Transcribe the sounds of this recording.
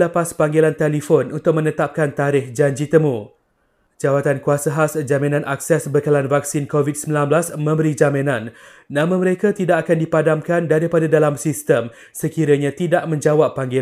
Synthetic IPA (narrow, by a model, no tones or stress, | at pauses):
ləpaspaŋɡelant̪elifonunt̪ʊk̚mə̃nə̃t̪ap̚kant̪aɾɪhd͡ʒaɲd͡ʒit̪əmũ | d͡ʒawat̪ankuasəɦasd͡ʒamĩnãnʔak̚sɛsbəkalanvak̚sɪnkovit̪̚səmbilanblasmə̃mbəɾid͡ʒamĩnãnː | ãmə̃məɾekat̪idaʔakandipadamkandaɾipadadalamsist̪əm | səkiɾəɲãt̪idaʔmə̃ɲd͡ʒawapːaŋɡe